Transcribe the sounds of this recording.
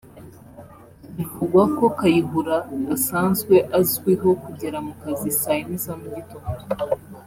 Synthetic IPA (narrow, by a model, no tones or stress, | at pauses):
ikuɡwako̞kajiɦuɾaɡasaːnzɡwe̞ʔazɡwiɦo̞kuɟeɾamukazisainizamuɟito